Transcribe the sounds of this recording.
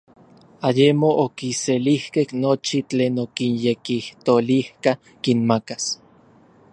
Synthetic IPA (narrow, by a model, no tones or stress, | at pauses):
ajemoʔokiselihkehnot͡ʃit͡ɬeːnokinjekiht̪olihka | kinmakas